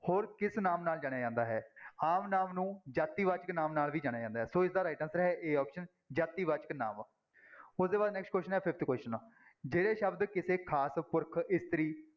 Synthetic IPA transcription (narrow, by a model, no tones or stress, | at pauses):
hoːɾkɪsnaːmnaːld͡ʒaːɽ̃jaːd͡ʒãːnd̪aːɦɛːaːmnaːmnũːd͡ʒaːt̪ːiːʋaːt͡ʃəknãːmnaːlʋiːd͡ʒaːɽ̃jaːd͡ʒãːnd̪aːɦɛːsoːɪsd̪aːɾaːɪʈənsɾɦɛʔeːaːpʃən | d͡ʒaːt̪ːiːʋaːt͡ʃə̥kna̰ːm | ʊsd̪eːbaːd̪nɛːksʈ̚kwɛːsʃənɦɛːpʰɪpʰt̪ʰkwɛːsʃən | d͡ʒeːɽeːʃəbd̪kɪseːkʰaːspʊɾkʰɪst̪əɾiː